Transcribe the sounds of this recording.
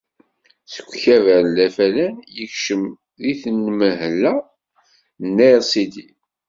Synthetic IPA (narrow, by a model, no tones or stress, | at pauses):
sə̥ɡʷçævæɾnlæfælænjəçʃəm | ðiθənːməɦəlːæ | nːæɾsid̪i